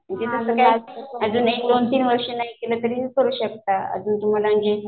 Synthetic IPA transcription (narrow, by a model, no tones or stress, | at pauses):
məɳd͡ʑesəsəkajəd͡zuːnaidont̪iːnʋəɾʂenaɦikelək̪əɾiːkəɾuːɕəkt̪aə̰d͡zuːnt̪um̤alaəɳd͡ʑe